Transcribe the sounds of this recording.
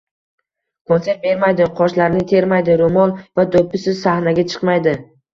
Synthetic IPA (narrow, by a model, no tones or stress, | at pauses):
kʰonseɾt̪̚be̞ɾmajd̪ɪqʰɒʃlaɾnɪt̪ʰe̞ɾmajd̪ɪɾomɒlˠvad̪opʰːɪsɪzsahnaɡʲat͡ʃʰɨ̥qmajd̪ɪ